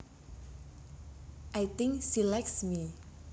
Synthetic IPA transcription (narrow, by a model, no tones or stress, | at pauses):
ʔajt̪ɪŋsilɛk̚smi